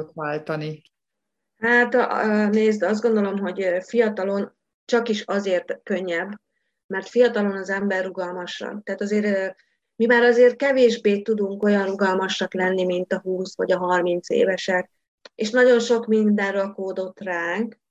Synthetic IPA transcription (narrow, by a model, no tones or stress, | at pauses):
t̪ʋaːlt̪ɒni | hat̪ːneːzd̪ɒzd̪ɡo̞nd̪o̞lo̞mɦo̞ɟfijɒt̪ɒlo̞n | t͡ʃɒkiʃɒzeːrt̪kø̞ɲːɛbː | mɛrt̪fijɒt̪ɒlo̞nɒzɛmbɛrːuɡɒlmɒʃrɒ̰nt̪ɛːt̪ɒzeːɾ | mimaːɾɒzeːr̚kɛveːʒbeːt̪ud̪uŋko̞jɒnruɡɒlmɒʃɒklɛnːimint̪ɒɦuːsʋɒ̰ɟɒɦɒrmint̪sḛːvɛʃɛk̚ | eːʃnɒɟo̞nʃo̞kmind̪ɛnrɒkoːd̪o̞t̪raːŋk